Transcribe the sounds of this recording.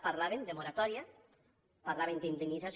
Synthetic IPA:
paɾlaβend̪emoɾat̪ɔɾja | paɾlaβend̪ind̪enizas

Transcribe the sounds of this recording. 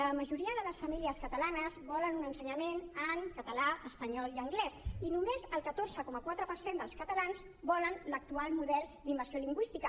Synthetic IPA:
əməʒuɾiəðələsfəmiliəskət̪əlanəzβɔlənunənsəɲəmenəŋkət̪əlaəspəɲɔlˠiəŋɡlɛsinumezəlˠkət̪oɾzəkɔməkwat̪ɾəpəɾsend̪əlˠskət̪əlanz | bɔlənlək̚t̪ualˠmuðɛlˠd̪imbəɾsioliŋɡwist̪ikə

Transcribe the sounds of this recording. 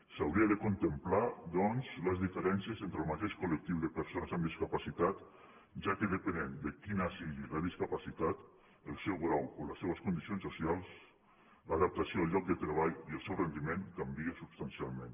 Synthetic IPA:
sawɾiəðəkunt̪əmplad̪ɔnzləzðifəɾɛnsjəzent̪ɾəlˠmat̪eʃkulək̚t̪iwðəpəɾsonəzamd̪iskapasit̪at̪ | ʒakəðəpənend̪əkinasiɣiləðiskapasit̪at̪ | əlˠsewɣɾawoləseβəskund̪isionsusialˠs | ləðap̚t̪asioalˠʎɔk̚d̪ət̪ɾəβ̞aʎiəlˠsewrend̪imeŋkambiəsubst̪ansialˠmẽn

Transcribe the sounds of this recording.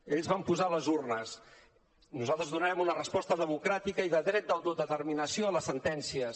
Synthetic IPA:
eʎzβampuzaləzurnəs | nuzalˠt̪ɾəzðunaɛmunərəspɔst̪əðəmukɾat̪ikəiðəðɾɛt̪̚d̪əlˠd̪oðət̪ərminəsioələsənt̪ɛnsiə

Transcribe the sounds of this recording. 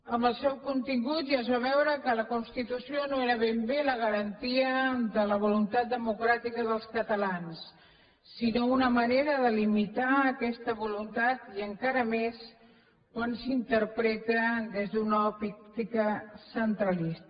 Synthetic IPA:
əmbəlˠsɛwkunt̪iŋɡut̪ʒazβaβɛwɾəkələkunst̪it̪usionoeɾəβembeləɣ̞əɾənt̪iəd̪ələβ̞ulunt̪at̪̚d̪əmukɾat̪ikəðəlˠskət̪əlansː | inounəməneɾəðəlimit̪aːkɛst̪əβulunt̪at̪iəŋkaɾəmes | kwansint̪əɾpɾɛt̪əd̪ezðunapit̪ikəsənt̪ɾəlis

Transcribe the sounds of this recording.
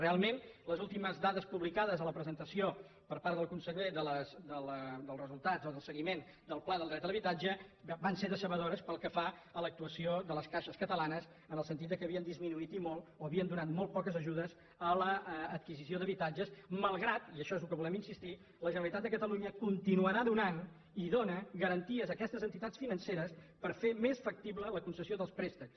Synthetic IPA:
realˠmenləzulˠt̪iməzðaðəspuβlikaðəzələpɾəzənt̪əsio | pəɾpaɾt̪ðəlˠkunsəʎeðələzd̪əlˠd̪əlˠrəzulˠt̪ad͡zoðəlˠsəɣimen | d̪əlˠplaðlˠd̪ɾɛt̪ələβit̪ad͡ʒəbanseðəsəβəðoɾəspəlˠkəfa | ələk̚t̪uəsioðələskaʃəskət̪əlanəz | ənəlˠs̬ənt̪it̪d̪əkəβiənd̪izminuit̪imolˠoəβiənd̪unat̪mɔlˠt̪̚pɔkəzəʒuðəz | ələːt̪̚kizisioðəβit̪ad͡ʒəsməlˠɣɾat̪iəʃɔezlukəβulɛminsist̪i | ləʒənəɾəlˠit̪at̪̚d̪əkət̪əluɲəkunt̪inuəɾaðunan | iðonəɣəɾənt̪iəzəkɛst̪əzənt̪it̪at͡sfinənseɾəspəɾfemesfək̚t̪iβlələkunsəsioðəlˠspɾest̪əks

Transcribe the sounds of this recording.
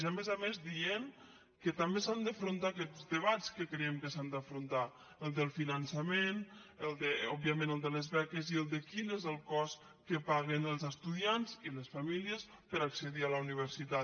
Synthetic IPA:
zamezamezd̪ien | kət̪ambesand̪afɾunt̪aːkɛzd̪əβ̞at͡skəkɾeɛmkəsand̪afɾunt̪a | əlˠd̪əlˠfinansamenəlˠd̪əɔbiamẽnəlˠd̪əlezβɛkeziəlˠd̪əkinezəlˠkɔs | kəpaɣenəlˠzəst̪uðianziləsfamiliəspəɾaksəðialauniβ̞əɾsit̪a

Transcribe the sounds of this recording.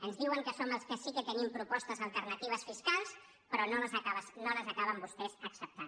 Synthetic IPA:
ənzðiwəŋkəsoməlˠskəsikət̪ənimpɾupɔst̪əzəlˠt̪əɾnət̪iβ̞əsfiskalˠs | pəɾɔnoləzəkaβəsnoləzəkaβəmbust̪ɛzəksəp̚t̪an

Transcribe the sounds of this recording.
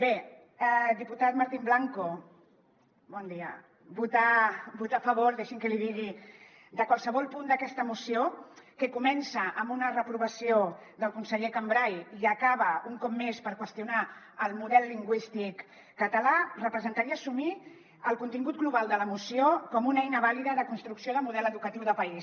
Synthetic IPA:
be | d̪iput̪at̪maɾt̪imblaŋko | bɔnd̪iə̰ | but̪abut̪afəβ̞oɾd̪eʃiŋkəliðiɣi | d̪əkwalˠsəβɔlˠpund̪əkɛst̪əmusiokəkumɛnsəʔəmbunərəpɾuβəsiod̪əlˠkunsəʎekambɾajiəkaβəuŋkɔp̚mːespəɾkwəst̪iuna | əlˠmuðɛlˠːiŋɡwist̪ikː | ət̪əlarəpɾəzənt̪aɾiəːsumi | əlˠkunt̪iŋɡut̪̚ɡluβ̞alˠd̪ələmusiokɔmunɛjnəβaliðəðəkunst̪ɾuksioðəmuðɛləðukət̪iwðəpəis

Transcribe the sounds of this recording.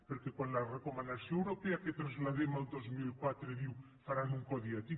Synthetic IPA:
peɾkekonlarekomãnd̪aθjõŋewɾopeaket̪ɾazlaðemald̪ozmilkwat̪ɾeðiw | faɾanuŋkɔðiat̪i

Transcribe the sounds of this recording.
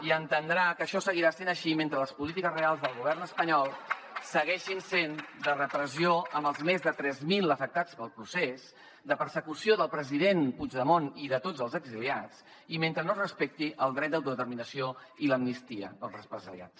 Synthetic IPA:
iənt̪ənd̪ɾakəʃɔsəɣiɾasenəʃiment̪ɾələspulit̪ikəzrealˠzðəlˠɣuβɛrnəspəɲɔlˠsəɣɛʃinsend̪ərəpɾəzioəmbəlˠzmezðət̪ɾɛzmilˠəfək̚t̪at͡spəlˠpɾuses | d̪əpəɾsəkusioðəlˠpɾəziðenpud͡ʒðəmoniðət̪od͡zəlˠzəɡziliat͡s | iment̪ɾənorəspek̚t̪iʔəlˠd̪ɾɛt̪̚d̪əwt̪uðət̪əɾminəsioiləmnist̪iə̰pəlˠzrəspɾəzə̰lia̰t͡s

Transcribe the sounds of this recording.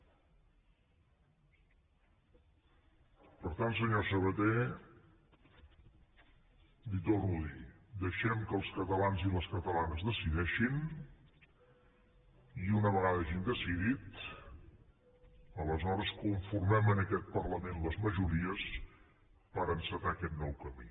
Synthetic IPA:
pəɾt̪ant̪s̬əɲosəβət̪e | b̪it̪orulid̪əʃɛmkəlˠskət̪əlanziləskət̪əlanəzðəsiðɛʃin | iunəβ̞əɣaðəɛʒind̪əsiðit̪ | ələzɔɾəskuɱfuɾmɛmənəkɛt̪̚pərləmenləzməʒuɾiəs | pəɾənsət̪aəkɛt̪nɔwkəmḭ

